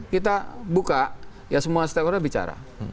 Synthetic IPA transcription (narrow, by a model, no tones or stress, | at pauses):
kit̪abuka | jasəmuast̪ɛpɔɾabit͡ʃa̰ɾa̰